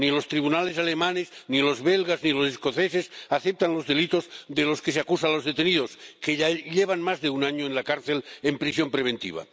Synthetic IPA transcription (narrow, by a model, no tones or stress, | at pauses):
nilo̞st̪ɾiβunalesalemaneznilo̞zβelɣaznilo̞sesko̞θesesaθep̚t̪anlo̞zðe̞lit̪o̞zðelo̞skeseakusalo̞zðet̪e̞niðo̞skeʎaʎeβ̞anmazðe̞unaɲoenlakaɾθe̞lempɾisjo̞mpɾeβ̞e̞nt̪ḭβ̞a̰